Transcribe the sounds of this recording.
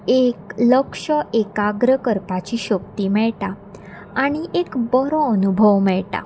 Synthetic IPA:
ekləkʂəʔekaɡɾəkəɾpat͡ɕiɕəkt̪iːmɛɭʈaː | ɽ̃iʔekbɔɾɔ̃ənubʱəʋmɛɭʈa̰

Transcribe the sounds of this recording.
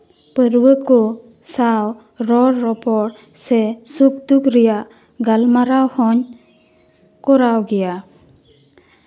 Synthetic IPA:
pəɾwəkɔ | saw | ɾɔɾːɔpɔɽ | sɛsuk̚d̪ukɾɛjaʔ | ɡalmaɾawhɔɲ | kɔɾawɡɛja

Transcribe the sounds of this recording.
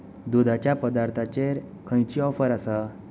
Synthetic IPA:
d̪ud̪ʱat͡ɕjapəd̪aɾt̪ʰat͡ɕeɾ | kʰə̃jt͡ɕiɔfəɾasa

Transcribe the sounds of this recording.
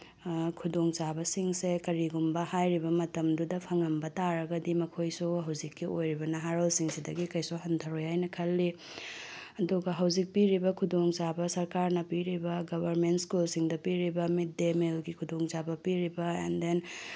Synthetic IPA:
kʰudoŋt͡ʃabɐsiŋsekɐɾiɡumbɐhajɾibɐmɐtɐmdudɐpʰɐŋɐmbɐtaɾɐɡɐdimɐkʰojsuɦɐwzikːiʔojɾibɐnɐɦaɾolsiŋsidɐɡikɐjsuɦɐntʰɐɾojhajnɐkʰɐlːi | ɐduɡɐɦɐwzik̚piɾibɐkʰudoŋt͡ʃabɐsɐɾkaɾnɐpiɾibɐɡɐbɐɾmentskulsiŋdɐpiɾibɐmit̚demelɡikʰudoŋt͡ʃabɐpiɾibɐḛnden

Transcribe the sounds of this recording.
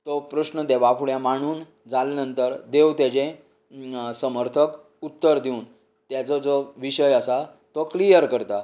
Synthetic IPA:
t̪ɔpɾəsnəd̪eʋafʰuɭjãmaɽ̃uːn | d͡zalenənt̪əɾd̪ewt̪jad͡ʑẽ | səməɾt̪ʰək | ut̪ːəɾd̪ʱiun | t̪jat͡sɔd͡zɔʋiɕəjəsa | t̪ɔklijəɾkəɾt̪a

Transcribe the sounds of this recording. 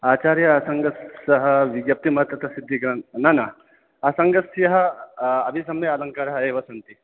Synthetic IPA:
aːt͡ʃaːɾjɐːsɐŋɡɐsɐɦɐ̆ʋiɡjɐp̚t̪imɐɦɐt̪ʋɐt̪ɐsid̪ʱːiɡɾɐnnɐnɐː | sɐŋɡɐsjɐɦɐɐbʱisɐmealɐŋkaːɾɐɦɐeːʋɐsɐnt̪i

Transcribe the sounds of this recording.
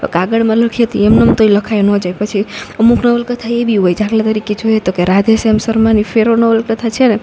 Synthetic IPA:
o̰kaɡəɽmãləkʰiɦət̪ḭemnəmt̪oiləkʰajnɔ̃d͡ʒajpət͡ʃʰiəmuknəʋəlkət̪ʰaebʱiɦojd͡ʒaɡlat̪əɾiked͡ʒojɦət̪okeɾad̪ʱesemsəɾmanifʰeɾonəʋəlkət̪ʰat͡ʃʰene

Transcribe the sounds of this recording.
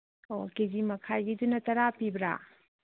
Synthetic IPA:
oked͡ʒimɐkʰajɡidunɐtɐɾapibɾa̰

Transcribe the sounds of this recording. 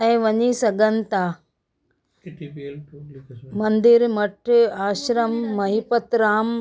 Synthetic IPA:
ɐ̃ʋɐɲisɐɡɐnt̪aː | mɐnd̪iɾmɐʈaːʃɾɐmːɐɦipɐt̪ɾaːm

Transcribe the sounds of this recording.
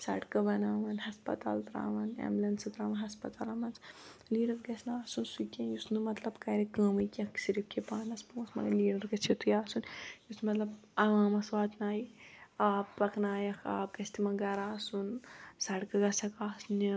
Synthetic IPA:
sɐ̰ɽkɐbɐnaːʋɐnhɐspɐ̰t̪a̰ːlt̪ɾa̰ːʋɐnḛmlɐnsɨt̪ɾaːʋɐnɦɐspɐt̪aːlɐmɐnt͡sliːɖɐɾɡɐsʰnaːsunsukʲɐjusnɨmɐt̪lɐbkɐɾekəːmɨkʲɐ̃ksiɾip̚kʰʲepaːnɐspõːsmɐ̰ɡɐliːɽɐɾɡɐt͡sʰet̪ujaːsunjusmɐt̪lɐb | ɐʋaːmɐsʋaːt̪naːjiaːbpɐkʰnaːjɐkʰa̰ːp̚ɡɐsʲt̪imɐɡɐɾaːsunsɐɽkɐɡɐsʰɐkaːsni

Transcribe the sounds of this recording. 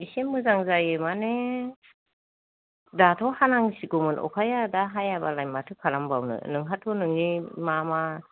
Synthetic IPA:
bisemːɯzaŋzajɯmane | datʰɔhanaŋsiɡɔmɯnʔɔ̰kʰajadaɦajabalajmatʰɯkʰaɾambawnɯ̰nɯŋɦatʰɔnɯŋnimama

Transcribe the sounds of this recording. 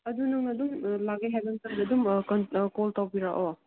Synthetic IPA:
ɐdunɐŋnɐdumlaɡajɦebɐnsɐɾdɐdumkɐnkoltawbiɾaʔo

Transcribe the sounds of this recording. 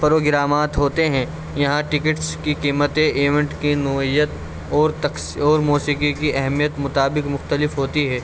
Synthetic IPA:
pɐɾoːɡɪɾaːmaːt̪ɦoːt̪eɦɛ̃ | jɐɦãʈɪkɪʈskikiːmət̪ẽʔeːʋɛ̃ɳʈkinʊijət̪ | ɔːɾt̪ɐ | ɔːɾmuːsiːkikiʔɛɦmijət̪mʊt̪aːbɪkmʊxt̪əlɪfɦoːt̪iɦɛː

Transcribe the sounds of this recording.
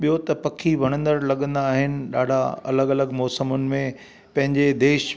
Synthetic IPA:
ɓijot̪ɐpɐkʰiʋɐɽ̃ə̃nd̪əɾlɐɠə̃nd̪aːɦɪnɪ̆ɗaːɖʱaɐ̰ləɡɐləɡmɔːsəmʊnɪ̆mẽ | pɐ̃ɦɪ̃ɲd͡ʑed̪eːʃ

